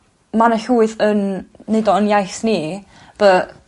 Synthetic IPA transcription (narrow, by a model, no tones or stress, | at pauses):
manəɬuːɨðənːedɔənjajsni | b̥ə